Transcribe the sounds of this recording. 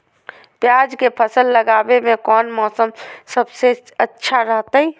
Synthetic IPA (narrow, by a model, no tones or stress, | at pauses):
pjaːd͡ʒkepʰəsəlːəɡaːbemẽkɔːnmɔːsəmsəbseətːʃʰaɾəɦt̪ai